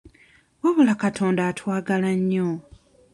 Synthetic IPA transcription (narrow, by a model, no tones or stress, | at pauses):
waβulakatʰo̞ːndaːtwaːɡalaɲːo